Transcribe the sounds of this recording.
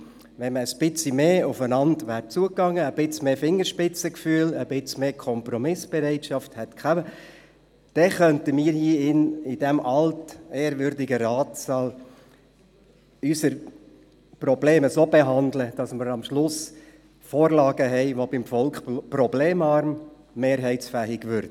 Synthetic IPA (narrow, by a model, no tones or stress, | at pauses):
ʋɛnməəspɪt͡simeːʊfənɑndʋæːɾt͡suəkːɑŋːəːb̥ɪt͡smeːfɪŋːəɾʃpɪt͡səkfyːələb̥ɪt͡smeːkʰɔmpɾɔmɪsb̥ɛɾɛɪtʃɑfthɛtkχæmə | d̥ɛχœntəmiːɾhiːɪnɪd̥ɛmʔɑlteːəɾʋʏɾdɪɡəɾɑːtsɑːl | ysəɾ | prɔbleːməsoːbɛɦɑndləd̥ɑsməɾɑmʃlʊs | foːɾlɑːɡəɦɛɪʋobɪmfɔlkχprɔbleːmɑɾmː | eːɾɦɛɪsfæːɦɪɡʋʏɾd